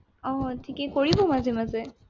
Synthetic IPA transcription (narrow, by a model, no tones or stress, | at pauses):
ɔtʰikekɔɹibomazʱemaze